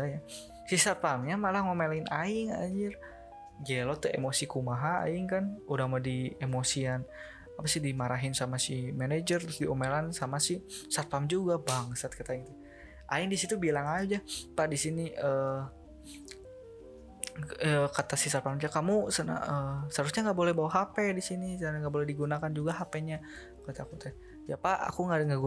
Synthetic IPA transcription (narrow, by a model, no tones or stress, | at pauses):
aja | sisat̪̚pamɲamalahŋomelaɪnʔaɪŋa̰d͡ʒər | d͡ʒailot̪uḛmosikumaɦaa̰ɪŋkanudahmadiemosian | apasɪdimaɾaɦɪnsamasimɛned͡ʒərt̪ɾʊsdiomelansamasɪhsat̪̚pamd͡ʒuɡabaŋsat̪̚kat̪aiŋt̪u | ʔa̰ɪndisit̪ubilaŋad͡ʒapaʔdisiniə | əkat̪asɪsat̪̚pamd͡ʒakamusəna̰əsəaɾusɲaŋɡaʔbolɛhbawaɦapɛdisiniaŋɡaʔbolɛhdiɡunakand͡ʒuɡaɦapɛɲa | kat̪akut̪ɛ | japaʔa̰kuŋaŋɡaɡu